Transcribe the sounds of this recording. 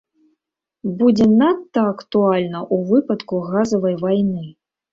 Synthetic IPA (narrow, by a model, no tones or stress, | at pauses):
bud͡zʲɛnat̪ːɐːkt̪ualʲnɐʔuvɨpɐt̪kuɣazɐvɐjvajnɨ